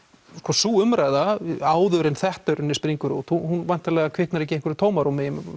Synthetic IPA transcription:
skɔsuːʏmɾajðaaːwðʏɾɪnθɛht̪œɾʏnːɪspɾiŋkʏɾṵːt̪huhunvajn̥t̪ʰːalɛːɣakʰvɪhknaɾɛhcɪẽŋkvʏɾɪt̪ʰoːwmaɾumɪjɪm

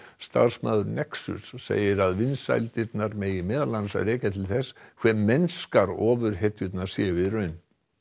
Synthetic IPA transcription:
st̪a̰ð̥sma̰ːðʏɾnɛksʏ̰ssḛːjɪɾaðvɪnsa̰jlt̪ɪt̪naɾmɛjɪmɛːðalːansa̰ðɾeːjcat̪ʰɪlθɛskʰvɛːmːɛnskaɾɔːvʏɾ̥ɦɛt̪jʏt̪nasjɛːvɪðrœɥn

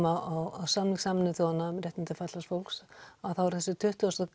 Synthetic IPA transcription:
aawawsamlisaːmɪnɪθɔanːaʏmrjɛt̪ɪnt̪ɪfat̪last̪fowlksaðθawɾ̥θɛsɪt̪ʰʏht̪ʏas

